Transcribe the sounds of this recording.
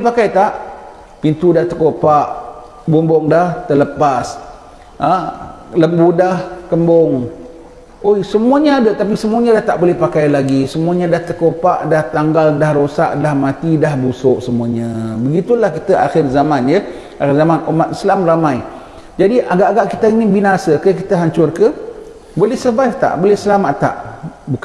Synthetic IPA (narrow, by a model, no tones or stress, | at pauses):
lipakajt̪aʔ | pint̪udaht̪əkopaʔ | bombɔŋdaht̪ələpas | a | ləmbudahkəmbʊŋ | ojsəmuaɲãadat̪ap̬isəmuaɲadaht̪aʔbolɛhpakajlaɡisəmuaɲadaht̪əkopaʔdaht̪aŋɡaldahɾosa̰ʔdahmãt̪idahbusʊʔsəmuaɲə̃bəɡit̪ulahkit̪əʔa̰xɪrzamanjə | axɪrzamanumat̪̚islamramãj | d͡ʒadiʔaɡaʔaɡaʔkit̪əinibinasəkəkit̪əɦaɲt͡ʃʊrkə | bolɛhsəbajft̪a̰ʔbolɛsəlamaʔt̪a̰ʔbuk